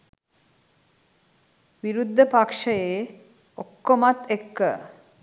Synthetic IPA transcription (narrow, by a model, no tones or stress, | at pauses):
ʋiɾud̪ʱːəpakʂəjeː | okːomat̪ːekːə